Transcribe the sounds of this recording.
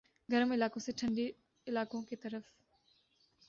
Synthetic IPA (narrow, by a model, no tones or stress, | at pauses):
ɡəɾəmɪlaːkõsẽʈʰə̃ɳɖi | ɪlaːkõket̪əɾəf